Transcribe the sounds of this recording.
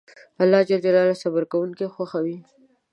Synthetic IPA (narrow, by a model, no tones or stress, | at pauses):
alːɑd͡ʒald͡ʒalɑlasabaɾkawuŋkexwaxawi